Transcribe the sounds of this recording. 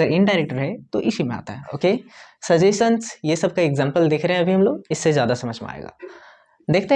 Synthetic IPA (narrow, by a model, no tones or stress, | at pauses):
əɾɪɳɖaːɪɾeːk̚ʈəɾɦɛt̪oʔɪʃimẽa̰ːt̪aɦɛoːkeːsɐd͡ʒeːsʈənsjesɐb̚kaeɡzãːmpəld̪ɪkʰɾɐɦɛ̃ɐbʱiɦɐmloːɡɪsːezjaːd̪asɐməd͡ʒʱmea̰ːḛːɡa̰ː | d̪eːk̚ʰt̪eɦ